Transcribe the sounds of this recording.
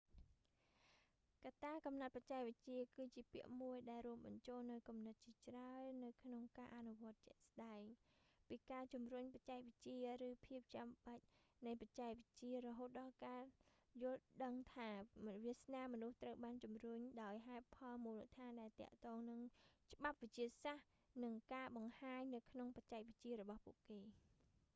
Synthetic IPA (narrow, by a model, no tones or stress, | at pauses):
kat̪aːkɑmnat̪̚pat͡ɕaɛk̚ʋəc̚t͡ɕiəkɨːt͡ɕiəpiəʔmuəjɗaɛlrŭəmɓɑɲt͡ɕoːlnɨwkumnɨt̪̚t͡ɕiət͡ɕraənɨwkʰnoŋkaːʔanuʋŏət̪̚t͡ɕɛ̆əʔsɗaɛŋpiːkaːt͡ɕumruɲpat͡ɕaɛk̚ʋɨc̚t͡ɕiərɨːpʰiəp̚t͡ɕamɓəc̚nɨjpac̚t͡ɕaɛk̚ʋəc̚t͡ɕiərɔɦoːt̪̚ɗɑlkaːjʊ̆əlɗəŋt̪ʰaːʋiəsnaːmɔnuht̪rəwɓaːnt͡ɕumrʊɲɗaɔjɦaɛt̪̚pʰɑlmuːlɨt̪ʰaːnɗaɛlt̪ɛ̆əʔt̪ɔːŋnɨŋt͡ɕə̆ɓap̚ʋɨc̚t͡ɕiəsah | nɨŋkaːɓɑŋhaːɲnɨwkʰnoŋpac̚t͡ɕaɛk̚ʋɨc̚t͡ɕiərɔɓɑhpuəʔkeː